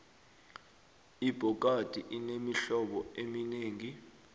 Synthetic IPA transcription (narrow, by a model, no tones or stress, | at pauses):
ib̥ʱɔk̬ad̥ʱiʔinemiɬɔɓɔemineːŋi